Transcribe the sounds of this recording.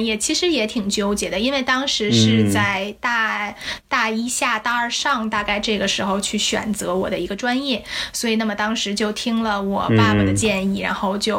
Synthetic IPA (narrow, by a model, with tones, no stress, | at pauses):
jɛ˥˩t͡ɕʰi˧˥ʂɻ̩˧˥jɛ˧˥t̪ʰi˨˩ŋt͡ɕjo˥ʊt͡ɕjɛ˨˩d̪ə˦i˥nwe˥˩ɪt̪ɑ˥ŋʂɻ̩˧˥ʂɻ̩˥˧t͡sa˥˩ɪt̪a˥˧t̪a˥˩i˥ɕja˥˧t̪a˥˧ə˞˥˧ʂɑ˥˧ŋt̪a˥˧ka˥˧ɪʈ͡ʂɤ˥˩ɡə˩ʂɻ̩˧˥xo˥˧ʊt͡ɕʰy˥˩ɕɥɛ̰˨˩nt͡sɤ˧˥wɔ̰˨˩d̪ə˦i˧˥ɡə˧ʈ͡ʂwa˥njɛ˥˩swɔ˧˥i˨˩na˥˩mə˩t̪ɑ˥ŋʂɻ̩˧˥t͡ɕjo˥˩ʊt̪ʰi˥ŋlə˨wɔ˨˩pa˥˩ma˨˩d̪ə˩t͡ɕjɛ˥˧ni˥˩ɻa̰˧˥nxo˥˧ʊt͡ɕjo˥˩ʊ